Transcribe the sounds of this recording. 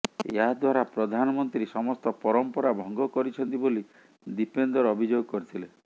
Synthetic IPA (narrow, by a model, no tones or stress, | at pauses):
ḛɦad̪waɾapɾɔd̪ʱanɔmɔnt̪ɾiisɔmɔst̪ɔpɔɾɔmpɔɾabʱɔŋɡɔkɔɾit͡ʃʰɔnt̪iboli | d̪ipend̪ɔɾɔbʱid͡ʒoɡɔkɔɾit̪ʰile